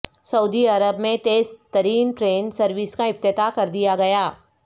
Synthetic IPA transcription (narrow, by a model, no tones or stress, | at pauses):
sɐuːd̪iɐɾəbmẽt̪eːzt̪ɐɾiːmʈɾeːnsɐɾʋɪskaɪp̚t̪ɪt̪akɐɾd̪ijaɡɐjaː